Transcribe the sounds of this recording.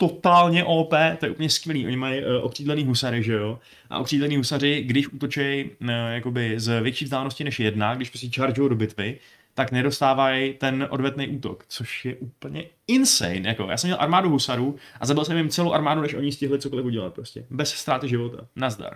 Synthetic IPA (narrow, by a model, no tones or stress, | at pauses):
t̪ot̪aːlɲɛʔoːpɛːt̪o̞jɛ̰ʔupl̩ɲɛskvʲɛliːʔo̞̰ɲɪmajʔokr̥iːdlɛniːɦusaɾɪʒɛjo̞ | ʔa̰ʔokr̥iːdlɛniːɦusarɪɡdɪʃʔut̪o̞t͡ʃɛjjako̞bɪzvjɛt͡ʃiːvzd̪aːlɛnoscɪnɛʃjɛdnaɡdɪʃpɾos̬cɛt͡ʃaɾd͡ʒʊjowdo̞bɪt̪vɪ | t̪aknɛdo̞st̪aːvajt̪ɛnʔo̰dvɛt̪nejʔuːt̪o̞̰kt͡so̞ʃjɛʔupl̩ɲɛ | ɪnsɛ̰jnjako̞̰ja̰ːsɛmɲɛlʔa̰ɾmaːduɦusaɾuʔazabɪlsɛmɪmt͡sɛlowʔaɾmaːdunɛʃʔo̞ɲɪscɪɦlɪt͡soko̞lɪfuɟɛla̰t̪̚pɾo̞scɛbɛsst̪ɾaːt̪ɪʒɪvo̞t̪a̰nazda̰ɾ